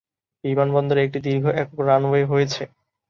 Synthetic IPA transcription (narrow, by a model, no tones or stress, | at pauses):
bimanbɔnd̪oɾeek̚ʈid̪iɾɡʱoʔɛkokɾanboeɦojet͡ɕʰe